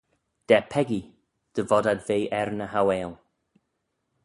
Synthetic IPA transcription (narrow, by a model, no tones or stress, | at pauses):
d̥ɛpʰɛɡi | d̥əvɔdadvejʔɛrnəɦaweːlˠ